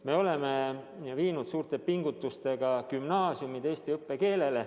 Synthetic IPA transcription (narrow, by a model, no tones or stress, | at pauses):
me̞o̞le̞me̞ | viːnud̪̥suːrt̪e̞piŋɡ̥ut̪ːˑust̪e̞ɡ̥ɑkymnɑːsjumid̪e̞ːst̪iɤpːe̞ke̞ːle̞le